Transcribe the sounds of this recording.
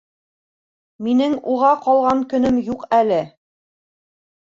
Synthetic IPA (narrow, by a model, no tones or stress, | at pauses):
minɘŋuʁɑqɑlˠʁɑŋkɵ̆nɵmjuqælɘ